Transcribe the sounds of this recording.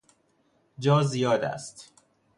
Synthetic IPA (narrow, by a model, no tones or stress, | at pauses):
d͡ʒɒːzijɒːd̪æ̰st̪